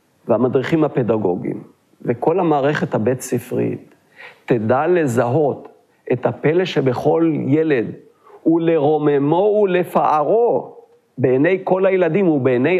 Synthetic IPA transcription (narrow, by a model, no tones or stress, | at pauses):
vehamadʁiχimhape̞daɡo̞̰ɡḭm | veko̞lhamaːʁe̞χe̞thabetsifʁḭtː | edale̞zaɦo̞t̪ | ethape̞leʃebe̞χo̞lje̞le̞d | hule̞ʁo̞memo̞ule̞faʔaʁo̞ | be̞ːnejko̞lhajeladimubeːne